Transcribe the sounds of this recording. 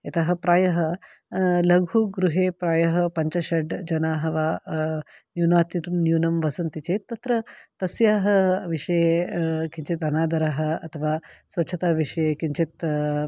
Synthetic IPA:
ɐt̪ɐɦɐ̆pɾaːjɐɦɐ | lɐɡʱuɡɾuɦeːpɾaːjɐɦɐpɐɲt͡ʃɐʃɐɖd͡ʒɐnaːɦɐʋaː | njuːnaːt̪it̪unjuːnɐmʋɐsɐnt̪it͡ʃeːt̪ːɐt̪ɾɐt̪ɐsjaːɦɐʋiʂɐjekiɲt͡ʃit̪ɐnaːd̪ɐɾɐɦɐɐt̪ʰɐʋaːsʋɐtːʃʰɐt̪aːʋiʂɐjekiɲt͡ʃʰit̪

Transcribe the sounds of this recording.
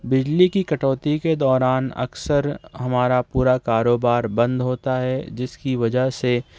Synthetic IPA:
bɪd͡ʒlikikɐʈɔːt̪iked̪ɔːɾaːnɐ̰ksəɾɦɐmaːɾapuːɾakaːɾoːbaːɾbɐ̃nd̪ɦoːt̪aɦɛd͡ʒɪskiʋɐd͡ʒəɦse

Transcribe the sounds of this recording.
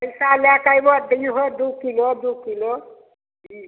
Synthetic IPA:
əjsaljakajbɔd̪iɦod̪ukilod̪ukilo | i

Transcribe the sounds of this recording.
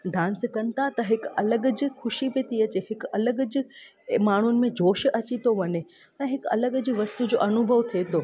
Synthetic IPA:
ɖʱãːnskɐnɪ̆t̪ʰat̪ɐɦɪkɐləɡd͡ʑɪ̆xʊʃipet̪iɐt͡ɕeɦɪkɐləɡd͡ʑɪ | maːɳ̤ʊnɪ̆mẽd͡ʑʱoːʃɐt͡ɕit̪oʋɐɲe | ɛ̃ːɦɪkɐ̰ləɡd͡ʑʋɐst̪ud͡ʑoːʔɐnʊbʱəʋt̪ʰet̪oː

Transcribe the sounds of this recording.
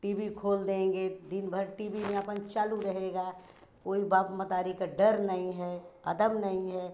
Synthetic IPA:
ʈiːbikʰoːld̪ẽːŋɡed̪ɪnbʱəɾʈiːbimẽɐpənt͡ʃaːluɾɐɦeːɡaː | koːibaːpmət̪aːɾikaɖəɾnɐɦĩɦɛɐd̪əmnɐɦĩɦɛː

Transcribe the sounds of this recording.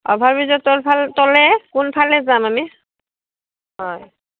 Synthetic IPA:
ɔ̰bʱaɹbizɔtɔlpʰaltɔlɛkunpʰalɛzamami | ɦɔj

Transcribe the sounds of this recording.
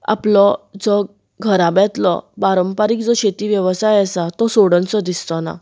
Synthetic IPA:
a̰plɔd͡zɔ | ɡʱəɾabjãt̪lɔ̰baɾəmpaɾiːk̚d͡zɔɕet̪iʋjəʋsajasat̪ɔsoɽə̃nt͡sɔd̪ist̪ɔna̰

